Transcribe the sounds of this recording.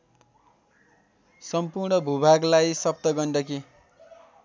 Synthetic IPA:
sʌmpurɳʌbʱubʱaɡlajsʌp̚t̪ʌɡʌnɖʌki

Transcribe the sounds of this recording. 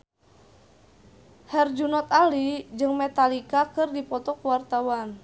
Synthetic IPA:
hɛrd͡ʒunɔt̪alid͡ʒɨŋmɛt̪alikakɨrdipɔt̪ɔkuwart̪awan

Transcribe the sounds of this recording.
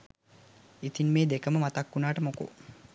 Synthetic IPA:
it̪inmeːd̪ekəməmat̪akːunaːʈəmoko̰

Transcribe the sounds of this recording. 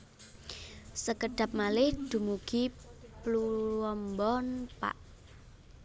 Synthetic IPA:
səkəɖ̪̥a̤p̚malɪhd̪̥ṳmuɡ̥iplulwɔmbɔnpa̰ʔ

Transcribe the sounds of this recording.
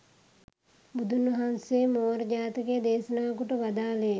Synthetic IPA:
bud̪ʱunʋɐɦansemoːɾd͡ʒaːt̪ɐked̪eːsənaːkuʈəʋad̪aːlej

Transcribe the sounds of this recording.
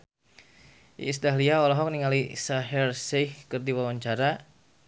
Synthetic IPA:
sdaɦliaɔlɔɦɔk̚niŋalisaɦɛrsɛhkɨrdiwawaɲt͡ʃaɾa

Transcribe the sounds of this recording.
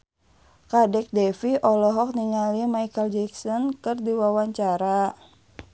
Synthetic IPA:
kadɛk̚dɛfiʔɔlɔɦɔk̚niŋalimaikəld͡ʒɛksɔnkɨrdiwawaɲt͡ʃaɾa

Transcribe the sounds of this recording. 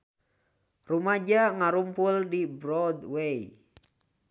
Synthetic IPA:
rumad͡ʒaŋaɾumpʊldibɾɔdwej

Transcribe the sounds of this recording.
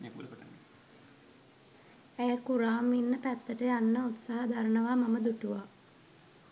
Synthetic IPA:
ul | æjəkuɾaːmʋinːəpæt̪ːəʈəjanːəut̪saɦad̪aɾənəʋamaməd̪uʈuʋa

